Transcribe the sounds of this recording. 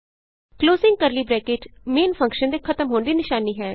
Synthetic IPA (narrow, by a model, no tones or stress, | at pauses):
kloːzɪ̃ŋɡkəɾliːbɾɛːkeːʈmeːnpʰə̃ŋkʃənd̪eːkʰət̪əmɦoːnd̪iːnɪʃaːniːɦɛː